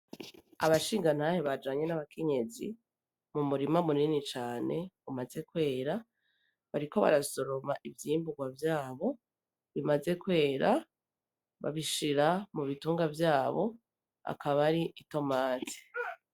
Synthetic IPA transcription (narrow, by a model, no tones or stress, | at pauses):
a̰βaʃiːŋɡan̥haheβad͡ʒaːɲe̞naβakʰe̞ɲe̞zḭ | mumuɾimamuninit͡ʃaːne̞umaze̞kwe̞ːɾa | βaɾiko̞βa̰ɾaso̞ɾo̞maʔivjiːmbuɡwavjaːβo̞ | βimaze̞kwe̞ːɾa | βa̰βiʃiɾamuβituːŋɡavjaːβo̞ | a̰kʰaβaɾiʔito̞maːti̥